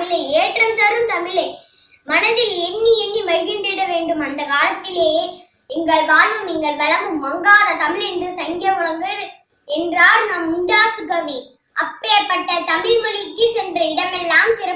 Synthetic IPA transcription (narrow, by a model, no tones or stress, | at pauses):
mɪlɐɪeːʈrɐnd̪ɐɾɯmt̪ɐmɪlɐɪ | mɐnɐðɪlɛnːiɛnːimɐɪɣɪɳɖɪɽɐʋeːɳɖɯmɐnd̪ɐkaːlɐt̪ːɪleː | ɛŋɡɐɭʋaːlʋɯmniŋɡɐɭbɐɭɐmɯmːɐŋɡaːðɐt̪ɐmɪɭɛndrɯsɐŋɡɪjɐmʊɻɐŋɡɯɾ | ɛndraːɾnɐmʊɳɖaːsɯɡɐʋi | ʔɐpːeːɾpːɐʈːɐt̪ɐmɪɻʋɐɭɪkːɯsɛndrɐɪɽɐmɛlːaːmsɪɾɐ